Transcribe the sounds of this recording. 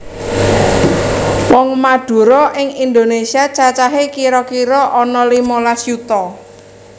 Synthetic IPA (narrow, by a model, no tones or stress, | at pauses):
wɔŋmad̪̥ṳɾɔʔɪŋind̪onesiat͡ʃat͡ʃaɦekiɾɔkiɾɔʔɔnɔlimolasjut̪ɔ